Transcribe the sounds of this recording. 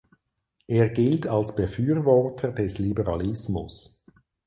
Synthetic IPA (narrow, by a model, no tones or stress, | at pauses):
ʔeːɐɡɪltʰɑlsb̥əfyːʁvɔʁtʰədɛslibəʁɑlɪsmʊ̰s